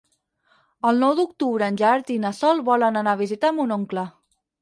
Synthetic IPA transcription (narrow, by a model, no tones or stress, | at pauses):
əlˠnɔwd̪uk̚t̪uβɾəːnʲʒaɾt̪inəsɔlˠβɔlənənaβ̞izit̪amunoŋklə